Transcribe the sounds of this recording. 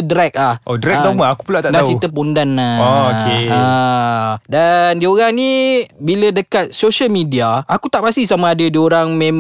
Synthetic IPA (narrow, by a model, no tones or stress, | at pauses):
dɾɛk̚lahʔodɾɛk̚damaakupulaʔt̪aʔdat͡ʃit̪əp̬undanːaokeə | dandioɾaŋnibilədəkat̪̚soʃəlmĩdiaakut̪aʔpast̪ihsamaadədioɾaŋmẽm